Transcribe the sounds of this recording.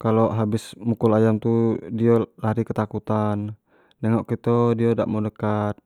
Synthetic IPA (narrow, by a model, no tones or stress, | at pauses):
kalɔʔɦabɪsmukulajamt̪udiɔlaɾikət̪akut̪anː | ɛŋɔʔkit̪ɔdioda̰ʔmɔnəkat̪̚